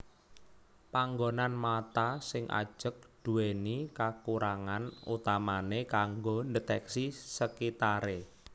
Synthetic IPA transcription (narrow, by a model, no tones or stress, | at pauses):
paŋɡonanmat̪asɪŋʔa̰̥ʒ̥ə̤k̚d̪̥ṳwenikakuɾaŋanṵt̪amanekaŋɡondət̪ɛksisəkit̪aɾe